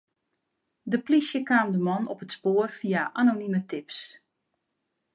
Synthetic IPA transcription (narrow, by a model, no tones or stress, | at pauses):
dəplisjəkaːmdəmɔnɔpətspoːərfijaʔanonimətɪps